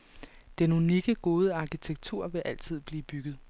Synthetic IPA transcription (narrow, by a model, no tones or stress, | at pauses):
d̥enuniɡ̥əɡ̥o̝ːð̞ˠəɑ̈kʰit͡sʰeɡ̥̚t͡sʰuɐ̰ʋe̝ʔæl̰t͡sʰið̞̰ˠb̥liːb̥yɡ̥ð̩ˠ